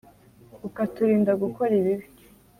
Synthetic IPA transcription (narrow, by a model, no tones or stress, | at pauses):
ukatuɾiːndaɡuko̞ɾiβiβ